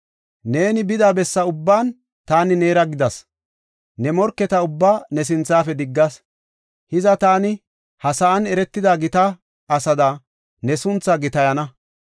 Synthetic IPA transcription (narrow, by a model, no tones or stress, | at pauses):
ne̞ːnɪbɪd̪aːbɛsːɐʊbːaːn | t̪aːnɪne̞ːɾɐɡɪd̪ɐs | nɛmɔɾkːɛt̪ɐʊbːaːnɛs̬ɪnt͡sːaːfɛd̪ɪɡːɐs | hɪzɐt̪aːnɪ | hɐsɐɐnɛɾɛt̪ːɪd̪aːɡɪt̪ɐ | ɐsɐd̪a | nɛsʊnt͡sːɐɡɪt̪ɐjɐnɐ